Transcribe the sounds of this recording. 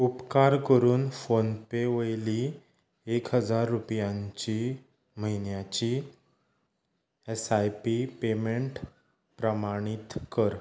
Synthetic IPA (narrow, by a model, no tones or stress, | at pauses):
upkaɾkəɾuːnfonpeʋəjliː | ekɦəd͡zaɾːupjaɲt͡ɕi | məɦinjat͡ɕi | esajpipemeɳʈ | pɾəmaɽ̃it̪kəɾ